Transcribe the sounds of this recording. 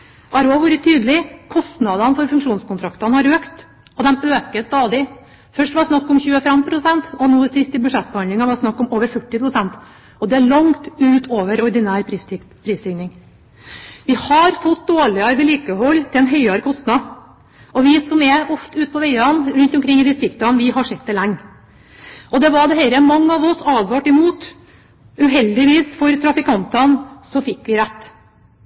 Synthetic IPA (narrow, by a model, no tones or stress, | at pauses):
ʔɑɾɑʋuːɾət̪ʰyːd̪əlɪkʰɔst̪nɑd̪ɑnəfɔɾfʉŋkʂuːnskʊnt̪ʰɾɑkt̪ɑnəhɑɾøːkt̪ | ɔd̪ɛmøːkəst̪ɑːd̪ɪ | fœʂʈʋɑsnɑkːɔmçʉːəfɛmpʰɾʊsɛnt̪ɔnuːsɪst̪ɪbʉʂɛt̪̚ːbəhɑnd̪ɪŋɑʋɑsnɑkːɔmoːʋəɾfœʈːɪpʰɾʊsɛnt̪ | ɔd̪ɛæɭɑŋt̪ʉːt̪ʰoːʋəɾɔɾd̪ɪnæːɾpɾ | pʰɾiːst̪ʰɪŋnɪŋ | ʋɪhɑɾfɔt̪̚d̪oːɭɪɑɾʋəliːkəhɔlːt̪ʰɪlɛnɦœʏɑɾkʰɔst̪nɑ | ɔʋɪsɔmɛʔɔft̪əʉːt̪pʰɔʋɛɪɑnɾʉnt̪ɔmkʰɾɪŋːɪd̪ɪst̪ɾɪkt̪ɑnʋɪɦɑʂɛt̪̚d̪ɛlæŋː | ʔɔd̪ɛʋɑɖ̪ɛɦɛːɾəmɑŋːəɑʋɔsɑːd̪ʋɑʈɪmuːt̪ | ʉɦɛld̪ɪʋiːsfɔɾt̪ʰɾɑfɪkʰɑnt̪ɑnsɔfɪkːʋɪɾæt̪ː